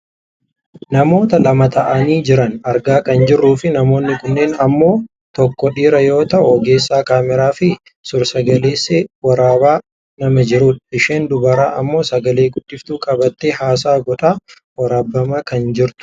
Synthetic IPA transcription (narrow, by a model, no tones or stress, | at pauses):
nɐmo̞ːt̪ɐlɐmɐt̪ɐʔɐniːd͡ʒɪɾɐnɐɾɡaːkɐnd͡ʒɪrːuːfɪnɐmo̞ːnːɪkʊnːeːnɐmːo̞ː | t̪ɔkːɔᶑiːɾɐjo̞ːt̪ɐʔʊɡe̞ːsːaːkaːmɛɾaːfɪ | sʊɾsɐɡɐleːsːeːwɐɾaːbaː | nɐmɐd͡ʒɪɾʊᶑᶑɪʃeːnd̪ʊbɐɾaːʔɐmːo̞ːsɐɡɐle̞ːɡʊd̥ːɪft̪uːkʼɐbɐt̪ːeːhaːs̬aːɡɔt̪ʼaː | wɐɾaːbːɐmakɐnd͡ʒɪɾt̪ʊ̥